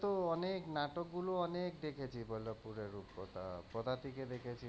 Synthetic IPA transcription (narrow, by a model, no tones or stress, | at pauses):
t̪oɔneknaʈɔkɡuloɔnekd̪ekʰet͡ʃʰibɔlɔpuɾeɾupɔ̰t̪apɔd̪ʱat̪iked̪ekʰet͡ʃʰi